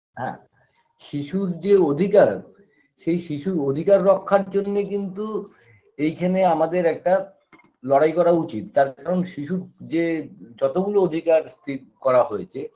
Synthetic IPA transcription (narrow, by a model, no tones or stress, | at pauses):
ɦɛ̰̃ | ʃiʃuɾd͡ʑeod̪ʱikaɾ | ʃejʃiʃuɾod̪ʱikaɾːɔkʰːaɾd͡ʑonːekint̪u | ejkʰeneamad̪eɾɛk̚ʈa | lɔɽajkɔɾaut͡ɕit̪ːaɾkʰaɾonʃiʃuɾd͡ʑed͡ʑɔt̪oɡulood̪ʱikaɾst̪ikɔɾaɦojet͡ɕʰe